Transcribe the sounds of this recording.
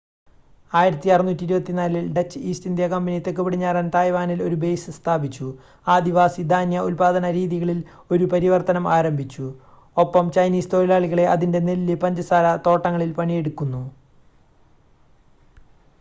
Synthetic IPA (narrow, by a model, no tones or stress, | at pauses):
aːjiɾɐt̪ːiɐrɨnːuːtːiɾubɐt̪ːinaːlilɖet͡ɕːɨiːstind̪jɐkɐmbinijɐt̪ːekːɨpiɽiɲːaːɾaːnt̪aːjʋaːnilo̞ɾube̞jsɨst̪ʰaːbit͡ɕːu | aːd̪iʋaːsid̪ʱaːnjɐʔulpaːd̪ɐnɐɾiːðiɣɐɭil | o̞ɾupɐɾiʋɐrt̪ɐnɐmaːɾɐmbʱit͡ɕːu | o̞pːɐmt͡ɕɐjniːst̪o̞ːlilaːɭiɣɐɭe̞ʔɐðinde̞nellːɨpɐɲd͡ʑɐsaːlɐt̪o̞ːʈːɐŋːɐɭilpɐɳije̞ɽukːunːu